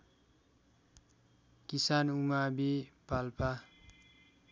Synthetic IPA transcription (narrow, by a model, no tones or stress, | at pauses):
kisanuŋabipalpa